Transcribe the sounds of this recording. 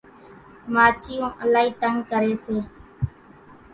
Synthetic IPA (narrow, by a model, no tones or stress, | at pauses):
maːt͡ʃʰɪjõːʔəlaːɦiːt̪əŋkəɾeːseː